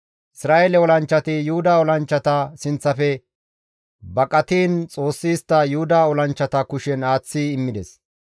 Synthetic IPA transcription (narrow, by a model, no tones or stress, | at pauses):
ʔɪsɾaːjelɛwɔlɐnt͡ʃːɐt̪ɪjʊhʊd̪aːɔlɐnt͡ʃːɐt̪ɐsɪnt͡sːɐfɛ | bɐkʼɐt̪iːnt͡sʼo̞ːsːiːst̪ːɐjʊhʊd̪aːɔlɐnt͡ʃːɐt̪ɐkʊʃɛnaːt͡sːiɪmːɪd̪ɛs